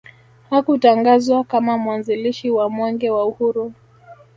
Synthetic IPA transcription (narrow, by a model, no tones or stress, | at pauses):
hakutaŋɡazwakamamuwanziliʃiwamɔŋɡɛwauhuɾu